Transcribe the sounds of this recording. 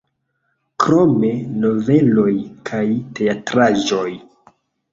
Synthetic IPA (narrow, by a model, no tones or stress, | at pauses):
kɾo̞me̞no̞ve̞lo̞jkʰajte̞atɾaʒo̞j